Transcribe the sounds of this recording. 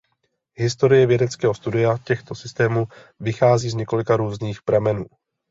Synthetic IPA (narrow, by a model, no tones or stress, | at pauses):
ɦɪst̪o̞ɾɪjɛvjɛdɛt͡skɛːɦost̪udɪjacɛxt̪o̞sɪst̪ɛːmu | vɪxaːziːzɲɛko̞lɪkaɾuːzniːxpɾamɛnuː